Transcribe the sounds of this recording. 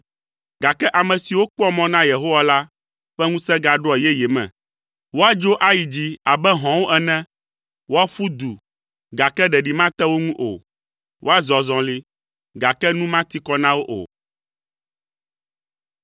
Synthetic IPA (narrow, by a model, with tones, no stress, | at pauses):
ɡa˨kɛ˦ʔa˨mɛ̃˨si˨wo˦k͡pɔ˦mɔ̃˦nã˦je˨ɦo˦wa˦la˦ | ɸɛ˦ŋũ˦sɛ˦ɡa˨ɖo˦ɛ˨jɛ˦jɛ˨mɛ̰̃˨ | wo˦a˦d͡ʒo˦ʔa˦ji˨d͡ʑi˦a˨bɛ˦ɦɔ̃˨wo˦ʔɛ˨nɛ̃˦ | wo˦a˦fu˦d̪u˨ | ɡa˨kɛ˦ɖɛ˨ɖi˨mã˦t̪ɛ˦wo˦ŋũ˦ʔo̰˨ | wʔo˦a˦zɔ˨zɔ̃˨li˦ | ɡa˨kɛ˦nũ˦mã˦t̪i˦kɔ˦nã˦wo˦ʔo̰˨